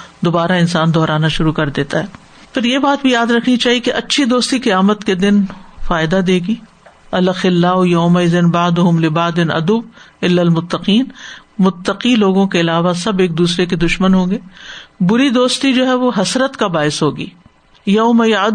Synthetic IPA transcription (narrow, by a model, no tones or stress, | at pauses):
d̪oːbaːɾaɪnsaːnd̪ɔːɾaːnaʃʊɾukɐɾd̪eːt̪aɦɛː | pʰɪɾjebaːt̪̚bʱijaːd̪ɾɐkʰnit͡ʃaːɦiekeʔɐtːʃʰid̪oːst̪iqɐjaːmət̪ked̪ɪnfaːɪd̪ad̪eːɡiː | ɐlɐxɪlːaːɦʊjɐʊmɐɪzɪnbaʕd̪ʊɦʊmlɪbaːd̪ɪnɐ̰d̪ubɪlːɐlmʊt̪ːɐqiːnmʊt̪ːɐqiloːɡõkeɪlaːʋasɐbeːk̚d̪uːsɾeked̪ʊʃmənɦõːŋɡeːbʊɾid̪oːst̪id͡ʒoːɦɛʋoɦɐsɾət̪kabaːɪsɦoːɡḭː | jɐʊmɐjd̪